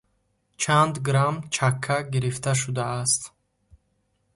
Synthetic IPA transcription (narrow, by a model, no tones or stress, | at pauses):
t͡ʃʰand̪ɡɾamt͡ʃʰakʰːaɡiɾift̪ʰaʃ̬ud̪aːst̪